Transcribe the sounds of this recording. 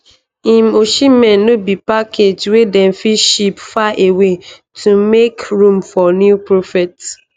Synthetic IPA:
ĩmoʃimɛ̃nnobipakʰed͡ʒwedɛn̩fiʃipfaʔewe | tʰumekɹũmfɔnjupɹofɛt

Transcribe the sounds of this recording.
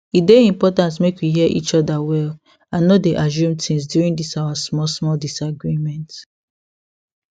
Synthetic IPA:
itdeĩmpɔtãnt̬mekwiɦiɛʔḭt͡ʃɔdawɛl | ãnːɔdeʔaʒ̬ũmtĩŋsdjuɹĩndisawasmɔlsmɔldisaɡɹimɛ̃nt

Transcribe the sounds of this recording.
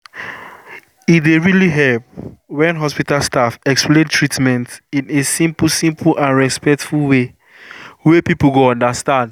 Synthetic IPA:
ideɹiliɦɛlp̚wɛ̃nɦɔspitalstafɛksplẽntʰɹitmɛ̃ntĩnesĩmpsĩmpʰlʔãnɹɛspɛk̚tfulwe | wɛpipl̩ɡoɔ̃ndastãnd

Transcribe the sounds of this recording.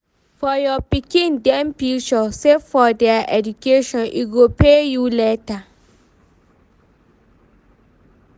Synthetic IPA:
fɔjɔpikĩndɛ̃mpiʃɔsefɔdɛaʔɛdukʰeʃɔ̃nʔiɡopʰejuleta

